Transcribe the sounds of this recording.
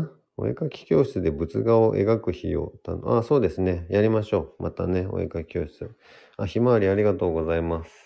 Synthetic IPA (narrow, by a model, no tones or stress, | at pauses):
o̞̰ḛkakʲi̥kʲo̞ːɕi̥t͡sɨd̪e̞bɯ̟t͡sɨɡaoʔe̞̰ɡakɯ̟çḭjo̰ːt̪anoaso̞ːd̪e̞sɨne̞jaɾʲimaɕo̞ːmʔa̰t̪ane̞o̰ḛkakʲi̥kʲo̞ːɕi̥t͡sɨ | açimaaɾʲiaɾʲiɡat̪o̞ːɡo̞zaimasɨ̥